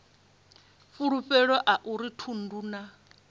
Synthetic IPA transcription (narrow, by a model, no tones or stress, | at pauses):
fuɺuɸɛɺɔʔaʔuɾitʰunduːna